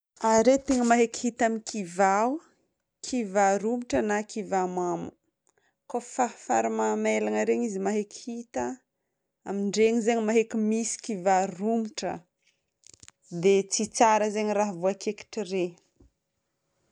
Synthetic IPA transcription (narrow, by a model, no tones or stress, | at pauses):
aɾet̪eŋəmaɦekhit̪amikʰivaw | kʰivaɾumiʈ͡ʂənakʰivamamṵ | kofafaɾimamelaŋəɾeɲizimaɦekihit̪ə | amiɳɖ͡ʐeɲizeɲimaɦekʲimisi̥kivarumiʈ͡ʂə̰ | d̪et͡sit͡saɾəzeɲiraɦvuakeki̥ʈ͡ʂire